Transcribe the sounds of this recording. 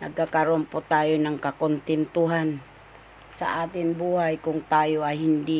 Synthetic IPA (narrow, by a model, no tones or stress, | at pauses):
na̰ɡ̚kakaɾompot̪ajonaŋkakont̪ɛnt̪uɦan | sa̰ʔat̪ɪŋbuɦajkʊŋt̪ajoaɦind̪i